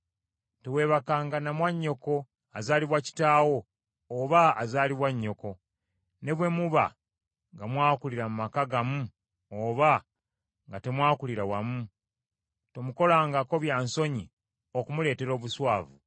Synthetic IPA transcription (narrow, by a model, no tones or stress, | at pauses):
tewe̞ːβakaːŋɡanamwaɲːo̞ko̞ | azaːliβwaci̥taːwo̞ː | βaːzaːliβwaɲːo̞ko̞ | ne̞βwe̞muβa̰ | ŋɡamwaːkuliɾamumakaɡamu | oːβa | ŋɡate̞mwaːkuliɾawamu | to̞muko̞laːŋɡako̞βjaːnso̞ɲi | o̞kumule̞ːte̞ɾo̞ːβuswaːvṵ